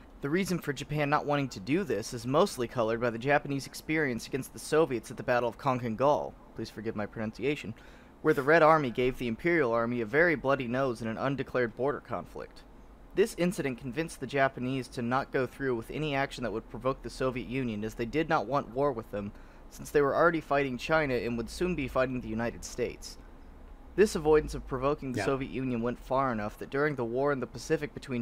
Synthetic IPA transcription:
ðɨɹizɨ̃n̩fə˞d͡ʒɨpʰæ̃nːə̰ʔ̚wɑ̃ɾ̃ɪ̃ŋtʰɨdɨðɪsɨzmoʊstˡlikʰʌlˠə˞d̚baɪðɨd͡ʒæpɨnizɨkspɪɹiɨ̃nsɨɡɛ̃nst̪̚ðɨsoʊviɨtsɨt̪̚ðɨbæɾl̩ˠʌv̥kʰɑ̃ŋkɨ̃nɡɔ̰lˠpʰl̥iz̥fə˞ɡɪvmaɪpʰɹ̥ɨnʌ̃nsieɪʃɨ̃n | wə˞ðɨɹɛɾɑɹmiɡeɪvðiɨ̃mpʰɪɹil̩ˠɑɹmiɨvɛɹiblʌɾinoʊzɨ̃nɨ̃nʌ̰̃ndɨkʰl̥ɛɹd̚bɔɹɾə̰˞kʰɑ̰̃ɱflɪ̰k̚t̪̚ | ðɪsɪ̃nsɨɾɨ̃nkʰnɱ̩vɪ̃nsðɨd͡ʒæpɨniz̥tʰɨnət̚ɡ̥oʊθɹʉwɨðɛ̰ñiækʃn̩ðəʔ̚wəd̚pʰɹ̥əvoʊk̚ðɨsoʊviɨʔjʉ̃njɨ̃nɨzðeɪdɨdⁿnəʔ̚wɑ̃nʔwɔɹwəðə̃m | sɪ̃nsðeɪwə˞l̩ˠɹɛɾifaɪɾɪ̃ŋt͡ʃʰãɪ̃nɨɨ̃nwəd̥sʉ̃nbifaɪɾɪ̃ŋðɨjʉnaɪɾɨd̥steɪts | ðɪsəvɔɪdⁿn̩sʌv̥pʰɹ̥ɨvoʊkɪ̃ŋðɨsoʊviɨ̰ʔjʉ̃njɨ̃nwɛ̃ntfɑɹɨnʌfðɨt̚d̥ʊɹɪ̃ŋðəwɔɹɨ̃nðəpɨsɪfɨk̚b̥ɨtʰw̥ĩn

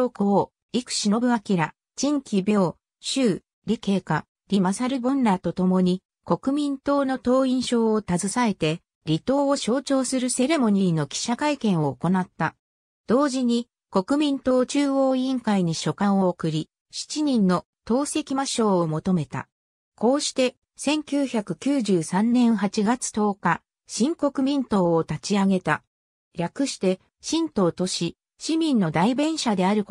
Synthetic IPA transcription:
okoo | ikɯ̟̥ɕinobɯ̟akʲiɾa | d͡ʑĩŋkʲibʲo̞ː | ɕɨː | ɾʲike̞ːka | ɾʲimasaɾɯ̟bõ̞nɾat̪o̞t̪o̞mo̞ɲ̟i | ko̞kɯ̟mʲĩnt̪o̞ːno̞t̪o̞ːĩɰ̃ɕo̞ːot̪azɨsae̞t̪e̞ | ɾʲit̪o̞ːoɕo̞ːt͡ɕo̞ːsɨɾɯ̟se̞ɾe̞mo̞ɲ̟iɾʲino̞kʲi̥ɕakaikẽ̞ɰ̃o̞ːko̞nat̪ːa | d̪̥o̞ːʑiɲ̟i | ko̞kɯ̟mʲĩnt̪o̞ːt͡ɕɨːo̞ːĩŋkaiɲ̟iɕo̞kãɰ̃o̞ːkɯ̟ɾʲi | ɕi̥t͡ɕiɲ̟ĩnːo̞ | t̪o̞ːse̞kʲimaɕo̞ːomo̞t̪o̞me̞t̪a̰ | ko̞ːɕi̥t̪e̞ | sẽ̞ŋkʲɨːçakɯ̟kʲɨːʑɨːsãnnːẽ̞ɰ̃ɦat͡ɕiɡat͡sɨ̥t̪o̞ːka | ɕĩŋko̞kɯ̟mʲĩnt̪o̞ːt̪at͡ɕiaɡe̞t̪a | ɾʲakɯ̟ɕi̥t̪e̞ | ɕĩnt̪o̞ːt̪o̞ɕi | ɕimʲĩnːo̞d̪aibẽ̞ɰ̃ɕad̪e̞aɾɯ̟

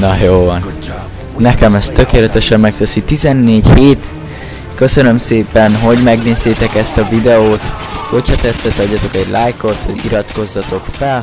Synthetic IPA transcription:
nɒjoːvɒn | nɛkɛmɛst̪ːøkeːlɛt̪ɛʃɛmːɛk̚t̪ɛsit̪izɛnːeːɟheːt̪ | kø̞sø̞nø̞mseːpɛnɦo̞ɟmɛɡneːzt̪eːt̪ɛkɛst̪ɒvid̪ɛoːt̪ho̞chɒt̪ɛt̪sɛt̪ɒɟːɒt̪o̞kɛɟlʔajko̞t̪hoɟiɾɒt̪ko̞zːɒt̪o̞kfɛl

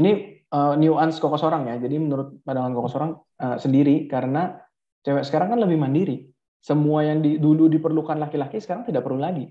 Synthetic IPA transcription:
iniəːniuʔansə̥kokɔsoɾaŋjad͡ʒadimənuɾʊt̪̚padaŋankokɔsoɾaŋ | əsəndiɾikaɾəna | t͡ʃawaʔsə̥kaɾaŋkanləbɪhmandiɾi | səmuajaŋdiduludipərlukanlakilakisə̥kaɾaŋt̪idaʔpərlulaɡi

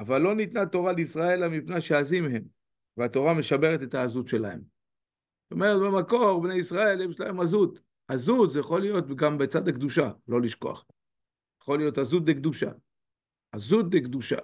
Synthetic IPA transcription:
avalːo̞nit̪nat̪o̞ʁaleisʁae̞lamipneʃeazimeɦe̞m | veat̪o̞ʁame̞ʃabe̞ʁet̪e̞t̪haːzut̪ʃe̞lahe̞̰m | zot̪o̞me̞ʁet̪bemako̞ʁbneisʁae̞lemʃlaemazut̪ | azuzjaχo̞lijo̞t̪̚ɡambet͡sad̪akd̪uʃalo̞liʃko̞̰a̰χ | jaχo̞lijo̞t̪hazut̪̚d̪ekd̪uʃa̰ | azut̪̚dekd̪uʃa̰

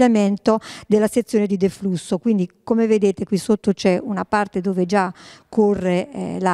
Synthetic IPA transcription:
jament̪od̪elːaset̪sːjoːned̪id̪eflusːokwind̪ikomeved̪eːt̪ekwisːot̪ːot͡ʃɛunapart̪ed̪oːved͡ʒakʰːorːḛla

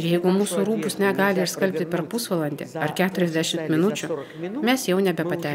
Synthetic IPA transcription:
jɛɪɡʊmuːsuɾuːbʊsnʲɛɡɑːlʲɪɪɾskɐlʲpʲt̪ʲɪpʲɛɾpʊsʋɐlˠɐnʲd̪ʲḛːɐɾkʲæːt̪ʊɾʲɛzʲd̪ʲæʃʲɪmt̪mʲɪnʊt͡ʃʲʊ | mʲɛsjɛʊnʲɛbʲɛpɐt̪ʲæː

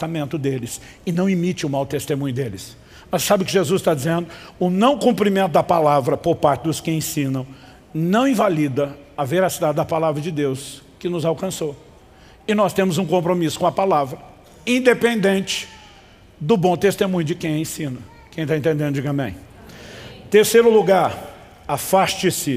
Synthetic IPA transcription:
t̪amẽnt̪ʊd̪elɪs | ɪnɐ̃w̃imit͡ʃɪʊmawt̪est̪emũɲʊd̪elɪs | mɐssabɪʊkɪʒezuzst̪ad͡ʒizẽnd̪ʊʊnɐ̃w̃kũpɾimẽnt̪ʊd̪ɐpalavɾɐpoɾpaɾt͡ʃɪd̪ʊskɪẽsĩnɐ̃w̃ | nɐ̃w̃ĩvalid̪ɐɐveɾasid̪ad͡ʒɪd̪ɐpalavɾɐd͡ʒɪd̪ewskɪnʊzawkɐ̃so | ɪnɔst̪ẽmʊzũkõmpɾomisʊ̥kõɐpalavɾɐ | ĩd̪epẽnd̪ẽnt͡ʃɪ̥ | d̪ʊbõt̪est̪emũɲʊd͡ʒɪkẽj̃ẽsĩnɐ | kẽj̃t̪aẽt̪ẽnd̪ẽnd̪ʊd͡ʒiɡɐ̃bḛ̃j̃ | t̪eɾsejɾʊluɡaɾ | afast͡ʃɪsɪ

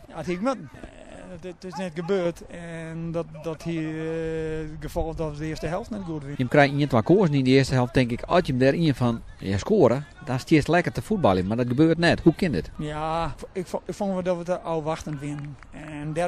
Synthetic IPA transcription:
jathiɪk̚mətn̩ | tɪsnɛt̚ɡəbøːrtɛndɔtdɔthi | ɡəfɔlˠfdɔtʋədəɪəstəɦɛlˠftnɛt̚ɡuətʋɪjəmkrɛjiəntʋakoəsənindəɪəstəɦɛlˠftɪŋkɪkʰɔ̰sjəmdɛɾiənfɔn | ja̰skoəɾədastɪəslɛkərtəfut̚bɔlˠjəmardɔt̚ɡəbøːrtnɛthukɪndɪtjaɪkɪkfonʋədɔtʋətəɔwʋaxtəntʋɪnn | ɛndɛ

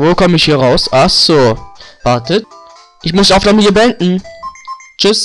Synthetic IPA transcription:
voːkʰɔməɪçhiːɐʁaʊsʔasoːv̥aɐtət̚ | ʔɪçmʊsaʊfdamɪtiːɐbəɛndn̩ | t͡ʃʏs

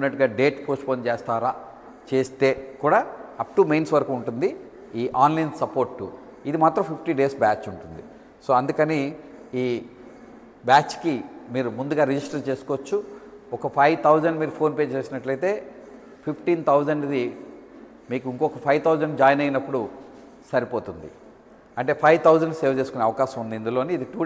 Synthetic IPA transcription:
pineʈɡaːɖe̞ːʈpoːsʈpoːnt͡ʃeːst̪aːɾaː | t͡ʃe̞ːst̪e̞ːkuːɽaːɐp̚ʈumejnsʋɐɾkuɳʈund̪i | iːʔaːnlɐjnsɐpo̞ːɾʈːṵ | id̪imaːt̪ɾɐ̃mpʰipʰʈiɖe̞ːsbaːt͡ʃuɳʈund̪ḭ | so̞ːɐnd̪ukɐni | iː | baːt͡ʃkimiːɾumund̪uɡaːɾid͡ʒisʈɐɾt͡ʃe̞ːsu̥kɔʋɐt͡ʃːuɔkɐpʰɐjʋt̪ʰɐwd͡ʒɐɳɖmiːɾupʰo̞ːnpe̞ːd͡ʒt͡ʃeːsinɐʈlɐjt̪e̞ː | pʰipʰʈiːnt̪ʰɐwd͡ʒɐɳɖid̪i | miːkuiŋkɔkɐpʰɐjʋt̪ʰɐwd͡ʒɐɳɖd͡ʒaːjnɐjnɐpːuɽu | sɐɾipo̞ːt̪und̪ḭ | ɐɳʈe̞ːpʰɐjʋt̪ʰɐwd͡ʒɐɳɖseːɾʋt͡ʃe̞ːsukuneːɐʋɐkaːʃɐmund̪iːnd̪ulo̞ːniːd̪iʈuː

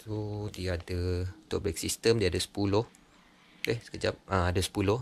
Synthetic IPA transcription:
t̪udiadət̪ɔʔbɛk̚sist̪əmdiadəsə̥puloh | ehsə̥kəd͡ʒap̚ʔãadəsə̥pulʊ

